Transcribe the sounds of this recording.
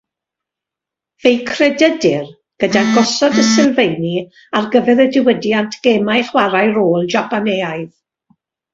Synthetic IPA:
v̥ejkʰrɛdədɪr | ɡ̥ədaɡɔsɔdəsɪlˠvejni | arɡəvɛɾədɪwədjantʰɡ̥ɛːmajχwaɾajɾoːlˠd͡ʒapʰaneːajð

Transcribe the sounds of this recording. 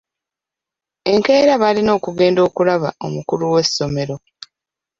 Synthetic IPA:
e̞ŋke̞ːɾaβalino̞ːkuɡe̞ːndo̞ːkulaβao̞mukuluwe̞sːo̞me̞ɾo̞

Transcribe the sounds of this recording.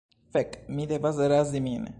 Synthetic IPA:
fɛkʼmid̪ɛbazɛɾaziminɛ̰

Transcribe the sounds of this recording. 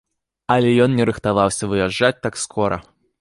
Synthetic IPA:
ɐlʲɛjɔnnʲɛɾɨxt̪avawsʲɐvɨjaʐːat͡sʲt̪akskʰɔɾɐ̰

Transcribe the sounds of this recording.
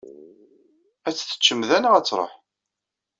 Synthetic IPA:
æt͡sːθə̥t͡ʃːəmðænəʁæt͡sːɾˤə̰ħ

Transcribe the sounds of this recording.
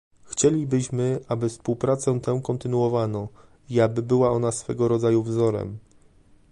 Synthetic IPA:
xt͡ɕelʲibɘɕmɘʔabɘfspuwpɾat̪sɛ̃t̪ɛ̃kɔnt̪ɘnuɔvanɔ | iabɘbɘwaɔnasfɛɡɔɾɔd̪zajuvzɔɾɛ̰m

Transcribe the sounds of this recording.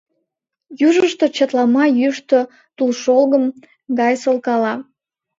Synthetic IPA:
juʒəʃt̪o̽t͡ɕət̪lɑmɑjyʃt̪o | t̪ulʃolɣəm | ɡɑjsolkɑlɑ

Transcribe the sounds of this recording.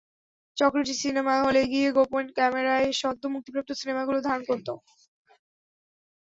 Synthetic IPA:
t͡ɕɔkɾoʈisinemaɦoleɡieɡoponkɛmeɾaeʃɔd̪ʱːomuk̚t̪ipɾap̚t̪osinemaɡulod̪ʱaonkoɾt̪o

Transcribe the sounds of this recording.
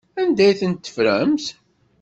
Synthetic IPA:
ænd̪æjθənt̪ːə̥fɾæmθ

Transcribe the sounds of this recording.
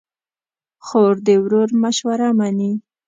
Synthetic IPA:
xoɾd̪ewɾoɾmaʃwaɾamani

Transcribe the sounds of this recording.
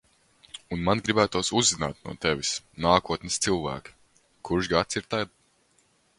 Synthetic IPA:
unmanɡɾibæːt̪uɔsuzːina̰ːt̪̚nṵɔt̪ɛvʲisnaːkuɔt̪nɨst̪silˠvæ̰ːki̥ | kʰuɾʃɡat̪siɾt̪ajd̪

